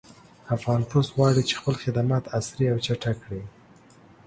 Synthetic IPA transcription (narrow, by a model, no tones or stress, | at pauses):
afɣɑnpost̪ɣwɑɽit͡ʃe̥xpəlxɪd̪amɑt̪asɾiawt͡ʃaʈakɽi